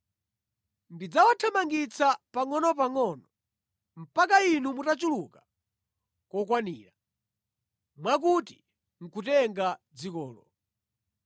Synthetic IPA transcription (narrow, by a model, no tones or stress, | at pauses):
ndid͡zawatʰamaŋɡit͡sʰapaŋɔnɔpaŋɔnɔ | m̩pakainumutat͡ʃuluka | kɔkwanḭːɾa | mwak̬uti | ŋ̩kutɛŋɡad͡zikɔːlɔ